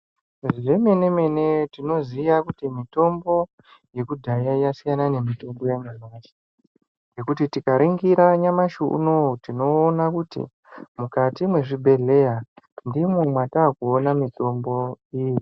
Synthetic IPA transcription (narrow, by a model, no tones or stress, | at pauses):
ʐiʐe̞me̞ne̞me̞netino̞ziʋakutimito̞mbo̞ | je̞kudʱajaijasijanane̞mito̞mbo̞jemunose̥ | je̞kutitikaɾʔiŋɡiɾaɲamaʃuṵnotino̞ːnakutḭ | mukatimwe̞ʐibʱe̞ɮe̞jandimumwataːkuonamito̞mbo̞iːji